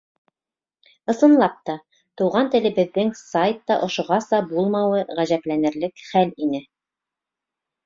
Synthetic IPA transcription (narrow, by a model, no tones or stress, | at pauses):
ɤ̆sɤ̆nlˠɑp̚t̪ɑ | t̪uʁɑnt̪ɘ̆lɘ̆bɘ̆ðːɘŋsajt̪ːɑʔŏʃŏʁɑsɑbulˠmɑwɤʁæʑæplænɘ̆ɾlɘkχælinɘ